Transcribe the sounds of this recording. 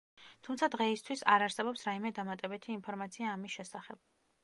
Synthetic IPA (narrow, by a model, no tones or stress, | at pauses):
t̪ʰumt̪sʰad̪ʁɛist̪ʰwisa̰ɾaɾsɛbɔpsɾaimɛd̪amat̪ʼɛbɛt̪ʰiːnpʰɔɾmat̪sʰiaːmisʃɛsaχɛb̥̚